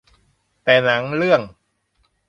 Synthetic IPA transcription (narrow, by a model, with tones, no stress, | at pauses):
t̪ɛː˨˩na˩˦ŋɾɯ˥˩əŋ